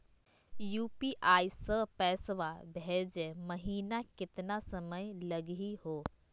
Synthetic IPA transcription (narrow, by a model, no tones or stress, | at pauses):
juːpiʔaːisəpɛːsʋabʱed͡ʒemɐɦiːnakɪt̪nasɐməjlɐɡɦihɦoː